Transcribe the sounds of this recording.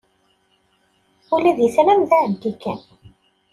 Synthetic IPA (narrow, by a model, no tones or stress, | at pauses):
ʊlæðjəθlæmðæənt̪ikæ̰n